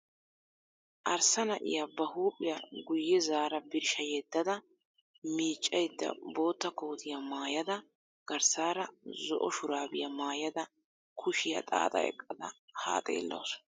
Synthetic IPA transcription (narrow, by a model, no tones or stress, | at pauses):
ʔɐɾsɐnɐʔɪ̰jabɐhuːpʼɪjɐɡʊjːɛzaːɾɐbɪɾʃɐjɛd̪ːɐd̪ɐ | miːt͡ʃʼːɐjd̪ːɐ̰bo̞ːt̪ːɐko̞ːt̪ʰɪjɐmaːjɐd̪ɐ | ɡ̥ɐɾsaːɾɐzɔʔɔʃʊɾaːbɪjɐmaːjɐd̪ɐ | kʰʊʃɪjɐ̰t̪ʼa̰ːt̪ʼɐ̰ɛ̰kʼːɐd̪ɐ̰ha̰ːt̪ʼḛːlːo̰ːs